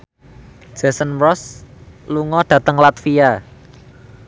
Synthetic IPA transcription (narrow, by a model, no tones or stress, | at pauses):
ʒ̥e̤sənɾɔsluŋɔɖ̥ä̤t̪əŋlat̪fia